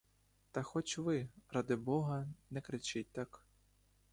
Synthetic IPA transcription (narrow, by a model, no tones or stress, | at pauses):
t̪ɐxɔt͡ʃʲʋɪɾad̪ɪbɔɦɐnɛkɾɪt͡ʃɪt̚ʲt̪ak